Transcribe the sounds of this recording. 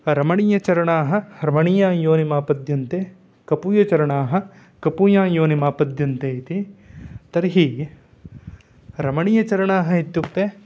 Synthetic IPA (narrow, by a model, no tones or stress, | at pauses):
ɾɐmɐɳijɐt͡ʃɐɾɐɳaːɦɐɾɐmɐɳijaːjoːnimaːpɐd̪ʱjɐnt̪eː | kɐpujɐt͡ʃɐɾɐɳaːɦɐ̆ | kɐpuːjaːjoːnimaːpɐd̪ʱjɐnt̪eːt̪it̪ɐɾɦi | ɾɐmɐɳijɐt͡ʃɐɾɐɳaːɦɐit̪ːut̪ːeː